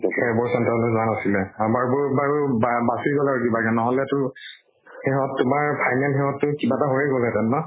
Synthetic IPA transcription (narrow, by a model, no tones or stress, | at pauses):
ɛbɔɹsɔntalɔzanasilɛamaɹbʊɹbaɹubabasiɹɡɔlaɹukibakɛnɔɦɔlɛtʊ | xɛɦɔtːʊmaɹpʰajnɛlxɛhɔtːʊkibataɦoɹɛɡɔlɛtɛnːɔ